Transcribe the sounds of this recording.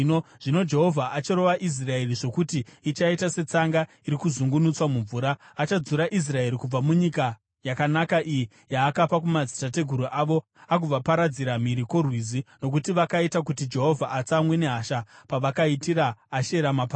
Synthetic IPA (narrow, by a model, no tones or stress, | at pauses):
noʐ̥ino̞d͡ʒe̞ɦo̞vʱaʔat͡ʃiɾo̞ʋaʔis̬rae̞riʐo̞kutiːt͡ʃaitase̞t͡saŋɡa | iɾikuzuŋɡunut͡swamuɱvuːɾaːt͡ʃad͡zuɾaʔis̬rae̞ɾikub͡vamuɲika | jakanakaʔiji | jaːkapak̬umad͡zitate̞ɡʱuɾuʔaʋo̞ | ak̬ub͡vapaɾad͡ziɾamiɾiko̞rwizino̞k̬utiʋakaitak̬utid͡ʒe̞ɦo̞vʱaʔat͡samwene̞ɦaʃapaʋakaitiɾaːʃe̞ɾamapa